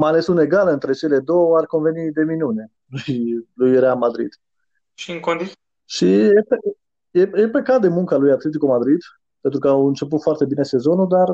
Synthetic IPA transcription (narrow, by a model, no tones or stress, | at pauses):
majale̞sune̞ɡalɨnt̪ɾe̞t͡ʃe̞le̞d̪owarko̞nve̞nid̪e̞minune̞ | lujlujrealmad̪ɾḭd̪̥ | ʃiɨŋkond̪i | ʃiepe | jejepekat̪̚d̪e̞muŋkalujat̪le̞t̪̬ikumad̪ɾid̪ | pent̪ɾukəawɨnt͡ʃe̞put̪foart̪e̞bine̞se̞zo̞nud̪ar